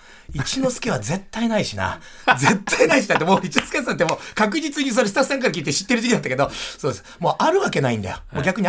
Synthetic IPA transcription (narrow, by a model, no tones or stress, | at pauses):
it͡ɕino̞sɨ̥kʲiβ̞aze̞t̪ːainaiɕina̰ | ze̞t̪ʰːainaiɕiat̪ːemo̞ːit͡ɕinosɨ̥kʲisɨnat̪ːemoːkak̬ɯ̟d͡ʑit͡sɨɲ̟is̬oɾesɨ̥t̪aɸɯ̥sẽŋkaɾk̬ʲiːt̪eɕi̥t̪ːeɾɯd͡ʑikʲinat̪ːakeo̞so̞ːd̪esɨ̥mo̞ːʔaɾɯ̟βake̞naḭ̃nd̪a̰jo̰mo̞ːɡʲakɯ̟ɲ̟i